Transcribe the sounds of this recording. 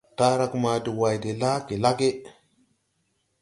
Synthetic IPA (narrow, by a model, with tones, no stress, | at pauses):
ta˦ɾa˦kma˨di˨wa˨jde˨la˦ke˨la˦ɡe˦